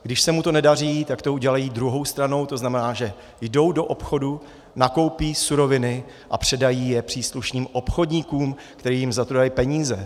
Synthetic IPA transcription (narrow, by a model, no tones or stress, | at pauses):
ɡ̥dɪʃsɛmut̪o̞nɛdar̝iːt̪akt̪o̞uɟɛlajiːd̪ɾuɦo̞wst̪ɾano̞wt̪o̞znamɛnaːʒɛ | jdo̞wdo̞ʔopxo̞du | nako̞wpiːsuɾo̞vɪnɪ | ʔapr̝̥ɛdajiːjɛpr̝̥iːsluʃniːmʔo̞pxo̞dɲikuːm | kt̪ɛɾiːjɪmzat̪ɾdajipɛɲiːzɛ